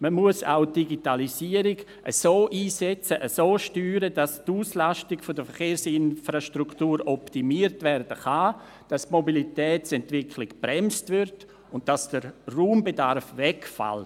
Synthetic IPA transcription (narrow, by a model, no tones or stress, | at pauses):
məmuəsa̰ʊd̥iɡitalisiːəɾɪɡ | ʔə̰soːʔiːsɛt͡səʔəsoːʃtyːɾədastuːslastɪɡfodəfəɾχeːɾsɪnfɾaʃtɾuktuːɾɔptimiːəɾtvɛrd̥əχa | d̥astmobilitɛːsɛntvɪkʰlɪkb̥ɾɛmstʋɪɾt | ʊnt̚d̥asd̥əɾruːmbedarfʋɛkfa̰l